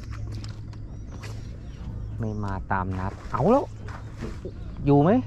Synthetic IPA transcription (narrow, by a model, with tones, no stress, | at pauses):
mə˨˧˩jmaː˨˩t̪aː˨˩mnaː˨˩t̚ʔa˨˦wlə˨˧˦w | zu˨˩mə˨˦j